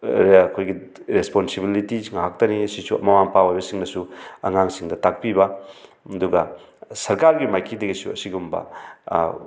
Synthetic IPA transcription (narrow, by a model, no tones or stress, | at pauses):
kʰojɡi | ɾesponsibilitiŋaɦak̚tɐnisisuɐ̰mɐmaŋpawajbɐsiŋnɐsuɐŋaŋsiŋdɐtak̚pibɐ | duɡɐ | sɐɾkaɾɡimajkʰidɐɡisuɐ̰siɡumbɐ̰